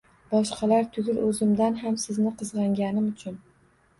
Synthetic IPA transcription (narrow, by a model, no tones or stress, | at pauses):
bɒʃqɑlaɾt̪ʰʊɡʲɪlɵzɪmd̪anɦamsɪznɪqʰɨzʁɑŋɡʲanɪmʊt͡ʃʰʊn